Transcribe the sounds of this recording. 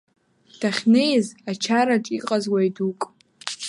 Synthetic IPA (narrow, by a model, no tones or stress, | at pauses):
d̥aχʲnejzat͡ʃʰaɾaʈ͡ʂʼiqʼazwajdukʼ